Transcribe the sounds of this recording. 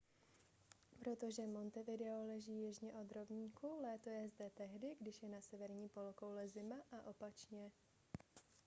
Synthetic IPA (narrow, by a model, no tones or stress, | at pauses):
pɾo̞t̪o̞ʒɛmo̞nt̪ɛvɪdɛolɛʒiːjɛʒɲɛʔo̞d̪ɾo̞bɲiːkulɛːt̪o̞jɛzdɛt̪ɛɦdɪɡdɪʃjɛnasɛvɛɾɲiːpo̞loko̞wlɛzɪmaʔaʔo̞pat͡ʃɲɛ